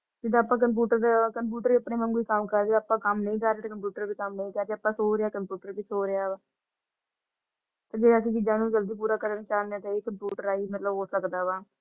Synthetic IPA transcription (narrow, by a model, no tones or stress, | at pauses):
d͡ʒɪd̪aːpːãːkəmp̬juːʈəɾd̪kəmp̬juːʈəɾiːəpɳẽːmənkoiːkəmkəɾd̪eəpːãːkəmnəĩːkəɾeːt̪ːkəmpjuːʈəɾbiːkəmnəĩːkəɾd͡ʒ̪eːəpːãːsoːɾeaːkəmpjuːʈəɾbiːsoːɾeaːʋaː | t̪aːd͡ʒeːəsĩːt͡ʃɪd͡ʒãːnũːd͡ʒəld̪iːp̬uːɾaːkəɾəniːt͡ʃaːnd̪ãːt̪aːeːkəmpjuːʈəɾaːiːmət̪ləboːsləɡd̪aːʋaː